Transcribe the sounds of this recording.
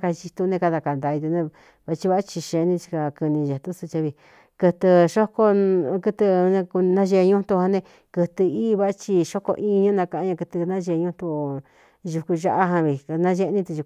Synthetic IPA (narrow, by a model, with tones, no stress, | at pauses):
ka˧t͡ʃi˧t̪u˧nẽ˧ka˧ða˧ka˨nd̪a˧i˧t̪u˧nẽ˧ | βa˧t͡ʃi˧βa˧˦a˦t͡ʃi˧ʃẽ˧nĩ˧t͡ʃi̥˧ka˧kɨ˧nĩ˧ʒe˨t̪u˦su˧t͡ʃa˧βi˧ | kɨ˧t̪ɨ˧ʃo˦ko˦kɨ˧t̪ɨ˧ñ˧ku˧nã˦ʒe˧ɲũ˦t̪u˧ha˧nẽ˧ | kɨ˧t̪ɨ˧iː˦˧βa˦a˦t͡ʃi˧ʃo˦ko̰˧ʔi˦˧ɲũ˦nã˧ka˧ʔã˧ɲã˧kɨ˧t̪ɨ˧nã˦ʒe˧ɲũ˦t̪u˧ | ʒu˧ku˧ʒa˧ʔa˦ɦã˧βi˧nã˦ʒe˧nĩ˦t̪u˧ʒu˧